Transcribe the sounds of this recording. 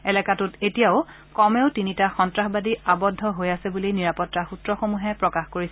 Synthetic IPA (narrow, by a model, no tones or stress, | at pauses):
ɛlɛkatutetijaʊ | kɔmeʊtinitaxɔntɹaxbadiabɔdʱːɔɦojasɛbulijniɹapɔtːaxutɹɔxomuɦɛpɹɔkaxkoɹisɛ